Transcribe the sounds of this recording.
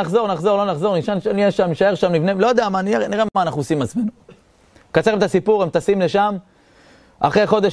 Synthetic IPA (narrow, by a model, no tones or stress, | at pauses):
aχzo̞ʁnaχzo̞ʁlo̞naχzo̞ʁniʃanʃanieʃameʃae̞ʁʃamnivnelo̞d̪eamanieniʁemanaχnusimat͡sme̞nu | kat͡seemet̪asipuʁemt̪asimle̞ʃam | a̰χʁejχo̞d̪e